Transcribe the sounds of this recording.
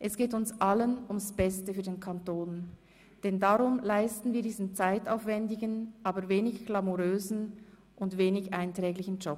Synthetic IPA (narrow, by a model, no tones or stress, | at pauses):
ʔɛsɡ̥eːtʊnsʔalənʊmsb̥ɛstəfyːɐdeːnkʰantoːn | d̥ɛndaʁʊmlaɪstn̩viːɐdiːzn̩t͡saɪtaʊfvɛndɪɡənʔaːbəɾveːnɪçɡ̥lamuʁøːzn̩ | ʔʊntveːnɪçʔaɪntʁ̥ɛːɡlɪçn̩d͡ʒɔp